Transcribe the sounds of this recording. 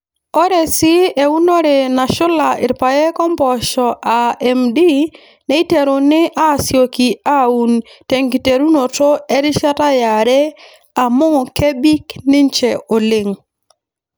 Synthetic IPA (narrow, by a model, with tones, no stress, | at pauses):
ɔ˦ɾɛ˨sɪ˦e˨u˦no˦ɾɪ˨na˨ʃʊ˦la˨ʔɪ̰˨ɾpa˨jɛ˦kɔ˦mpɔ˨ʃɔ˨ʔa˨ɛ˨mdi˦ | nɛ˨˦i˦te˨ɾo˨nɪ˦ʔa˦sjo˨ki˨a˦u˨nte˨ŋki˨te˨ɾu˦no˨to˦ɛ˦ɾɪ˦ʃa˦ta˦ja˨ɾɛ˦ | a˨mo˦ŋɔ˨ke˦bi˦knɪ˦nt͡ʃɛ˨ʔo˨lɪ˨ŋ